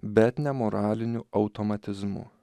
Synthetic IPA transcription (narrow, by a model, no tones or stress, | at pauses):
bʲɛt̪nʲɛmɔɾɑːlʲɪnʲʊɐʊt̪omɐt̪ʲɪzmʊ̰